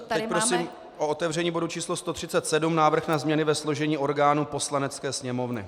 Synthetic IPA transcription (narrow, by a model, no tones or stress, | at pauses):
t̪ɛcpɾosiːm | ʔoot̪ɛvr̝ɛɲiːbo̞dut͡ʃiːslo̞st̪o̞t̪r̝̥ɪt͡sɛt̪sɛdumnaːvr̩xnazmɲɛnɪvɛslo̞ʒɛɲiːʔo̞ɾɡaːnupo̞slanɛt͡skɛːsɲɛmo̞vnɪ